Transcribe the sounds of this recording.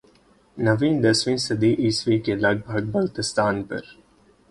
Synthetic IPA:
nɐʋĩːnd̪ɐsʋĩːnsəd̪iːʔiːsʋiːkelaɡ̚bʱaɡ̚bɐlt̪əst̪aːnpə̰ɾ

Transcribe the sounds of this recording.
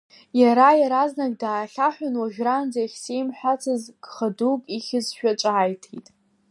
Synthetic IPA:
jaɾajaɾaznaɡ̚daːɬʲaħʷᶣanwaʒᶣrand͡zaχʲsejmħʷᶣat͡sʰɨzɡ̥χadukʼiχʲɪzʃᶣat͡ʃʷʼaːjtʰetʼ

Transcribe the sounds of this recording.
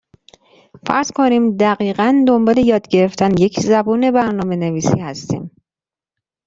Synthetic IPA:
fæ̰ɾz̥kʰoniːmd̪æɣiːɣænd̪o̞mbɒːle̞jɒːd̪ɟe̞ɾe̞ft̪ʰænje̞cʰzæbuːne̞bæɾnɒːme̞neviːsḭːhæst̪ḭːm

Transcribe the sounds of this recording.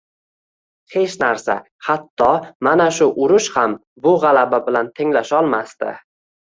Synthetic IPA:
he̞t͡ʃnaɾsa̰ | hat̪ʰːɒmanaʃʊʔʊɾʊʃham | bʊʁalababɪlant̪ʰɪŋlaʃɒlˠmast̪ɪ̰

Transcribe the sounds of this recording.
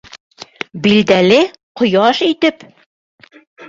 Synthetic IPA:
bild̪ælɘ | qŏjɑʃit̪ɘp

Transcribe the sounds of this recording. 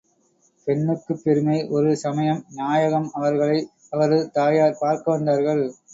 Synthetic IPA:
pɛɳːɯkːɯpːɛɾɯmɐɪʔɔɾɯsɐmɐjɐmnjaːjɐɣɐmɐʋɐɾɣɐɭɐɪ | ɐʋɐɾɯt̪aːjaːɾpaːɾkɐʋɐnd̪aːɾɣɐɭ

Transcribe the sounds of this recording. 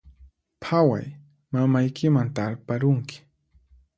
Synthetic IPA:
pʰawa̰j | mamajkɪmant̪aɾpaɾʊŋkɪ̥

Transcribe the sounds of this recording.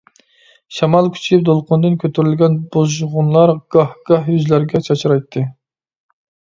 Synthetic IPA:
ʃɑmɑlˠkʲʰy̥t͡ʃʰip̚d̪olˠqʰʊnd̪ɨnkʲʰøt̪ʰyɾylɡʲɛnbozʁʊnlˠɑɾɡ̥ɑhɡ̥ɑhjyzlæɾɡʲɛt͡ʃʰɑt͡ʃʰɾɑjt̪ʰːɨ

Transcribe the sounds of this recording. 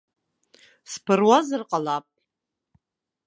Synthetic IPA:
spʰɨrwazɨrqʼalap̚ʼ

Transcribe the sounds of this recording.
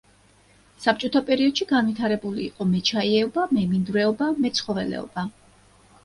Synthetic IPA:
sap̚t͡ʃʼɔt̪ʰapʼɛɾiɔd̪̥ʃiɡanvit̪ʰaɾɛbulḭːqʼɔmɛt͡ʃʰaiɛɔbamɛmind̪ɾɛɔbamɛt̪sʰχɔvɛlɛ̰ɔ̰ba

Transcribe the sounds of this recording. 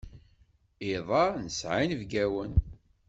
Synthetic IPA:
iðˤɑnəsʕinvɡæwən

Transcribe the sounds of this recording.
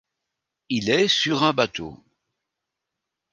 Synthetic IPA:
ilɛsyʁɛ̃bat̪o̰

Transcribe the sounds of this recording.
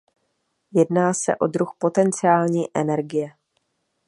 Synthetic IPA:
jɛdnaːsɛ̰ʔo̞d̪ɾuxpo̞t̪ɛnt͡sɪaːlɲiːʔɛnɛɾɡɪjɛ

